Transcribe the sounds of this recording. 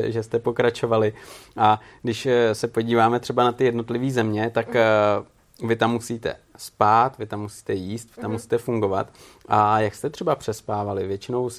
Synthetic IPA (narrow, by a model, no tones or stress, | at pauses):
ʒɛst̪ɛpo̞kɾat͡ʃo̞valɪʔadɪʃsɛpo̞ɟiːvaːmɛt̪r̥ɛbanat̪ɪjɛdno̞t̪lɪviːzɛmɲɛt̪ak | vɪt̪amːusiːt̪ɛ̰spaːt̪vɪt̪amːusi̥ːt̪ɛjiːst̪vɪt̪amːusi̥ːt̪ɛfuŋɡo̞va̰t̪ | ʔajakst̪ɛt̪r̥ɛbapr̝̥ɛspaːvalɪvjɛt͡ʃɪno̞ws